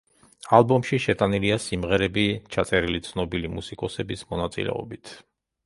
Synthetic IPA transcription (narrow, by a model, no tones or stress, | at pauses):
alˠbɔmʃiʃɛt̪ʼaniliasimʁɛɾɛbit͡ʃʰat̪sʼɛɾilit̪sʰnɔbilimusikʼɔsɛbismɔnat̪sʼḭlɛ̰ɔ̰bit̪ʰ